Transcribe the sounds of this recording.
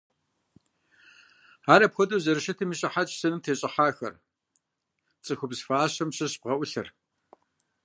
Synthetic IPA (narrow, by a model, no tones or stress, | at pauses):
aːɾɐpxʷɔtʼɐwzɐɾɨʃɐtʰɨmiɕʼɐħat͡ʃʼsɐnɨmtʰeːɕʼɪħaːxɐ̰r | t͡sʼɨxʷʊbzfaːɕɐmɕɐɕb̚ʁɐʔʷʊɬɐ̰r